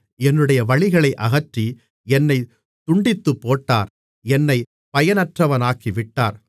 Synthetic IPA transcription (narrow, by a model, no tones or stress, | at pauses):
ɛnːɯɽɐjɐʋɐɭɪɣɐɭɐɪʔɐɣɐʈri | ɛnːɐɪ | t̪ʊɳɖɪt̪ːɯpːoːʈːaːɾ | ɛnːɐɪ | pɐjɐnɐʈrɐʋɐnaːkːiʋɪʈːaːɾ